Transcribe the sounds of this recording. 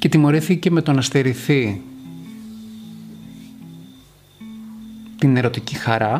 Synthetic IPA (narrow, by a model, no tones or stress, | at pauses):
ce̞t̪imo̞ɾiθice̞me̞t̪o̞nɐst̪eɾiθi | t̪ine̞ɾo̞t̪icixɐɾɐ